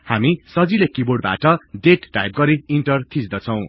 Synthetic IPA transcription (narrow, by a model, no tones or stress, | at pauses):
hamisʌd͡zilekiboɖ̚ba̰ʈʌɖeʈʈa̰jp̚ɡʌɾiiɳʈʌrt̪ʰisd̪ʌt͡sʰʌw̃